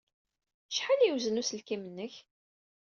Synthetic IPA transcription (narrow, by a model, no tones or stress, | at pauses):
ʃħaliwzənusəlkimənːəç